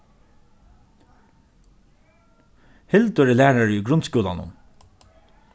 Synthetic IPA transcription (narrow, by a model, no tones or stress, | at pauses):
hɪlt̪ʊɾɛlæːɹaɹʏɡɾʊnt̪skuːla̰nʊ̰